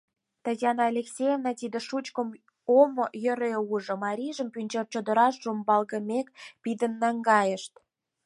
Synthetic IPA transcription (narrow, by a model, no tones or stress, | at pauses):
t̪ɑzɑnɑːlʲeksʲejevnɑt̪id̪ə̆ʃut͡ɕkə̆m | omojə̆ɾeuʒŏmɑɾʲiʒə̆mpynʲt͡ɕert͡ɕod̪ə̆ɾɑʃʒumbɑlɣə̆mʲekpid̪ə̆nːɑŋɡɑjə̆ʃt̪